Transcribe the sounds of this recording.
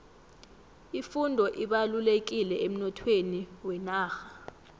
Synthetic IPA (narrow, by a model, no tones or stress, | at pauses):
ifundʱɔʔiɓalulek̬ilɛem̩nɔtʰweniwɛnaːxḁ